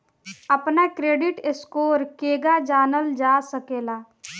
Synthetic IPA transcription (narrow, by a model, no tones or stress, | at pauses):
ɐpnakɾeːɖɪʈɪskoːɾkeːɡad͡ʒaːnəld͡ʒaːsəkeːlaː